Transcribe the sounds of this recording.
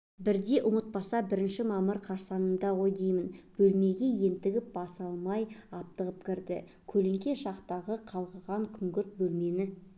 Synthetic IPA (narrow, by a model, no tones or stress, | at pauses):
bɪɾd̪e̞ʔʊmət̪̚bɑsɑbɪɾɪnʃɪmɑməɾqʰɑɾsɑnənd̪ɑwojd̪ejmɪnb̥ɵlme̞ɡʲe̞je̞nt̪ɪɡʲɪp̚bɑsɑlˠmɑjɑp̚t̪əʁəpkʲɪɾd̪ɪ̰ | kʲʰɵleŋkʲe̞ʃɑqt̪ɑʁəqʰɑlˠʁəʁɑŋkʲʰʏŋɡʲʏɾt̪̚bɵlme̞nɪ